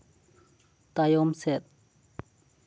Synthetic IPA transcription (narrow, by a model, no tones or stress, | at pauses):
t̪ajɔmsɛt̪̚